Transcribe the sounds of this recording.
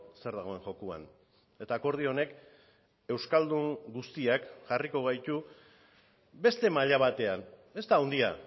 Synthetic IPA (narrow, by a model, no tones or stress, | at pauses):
se̞ɾðaɣ̞o̞e̞ŋʝo̞kua̰n | e̞t̪aːko̞ɾð̞io̞ne̞k | e̞wskald̪uŋɡust̪iakʝariko̞ɣ̞ajt̪u | be̞st̪e̞maʎaβ̞at̪e̞ane̞st̪aːwnd̪ia̰